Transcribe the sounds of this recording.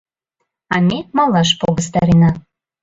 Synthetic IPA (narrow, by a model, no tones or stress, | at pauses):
ɑmʲemɑlˠɑʃ̬poɣəst̪ɑɾenɑ